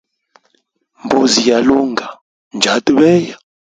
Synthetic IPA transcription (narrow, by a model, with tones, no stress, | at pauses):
mbu˨zi˨ja˨lu˦ŋɡʱa˨ | nd͡ʒʱa˨˦tʼi˦ɓɛː˦ja˨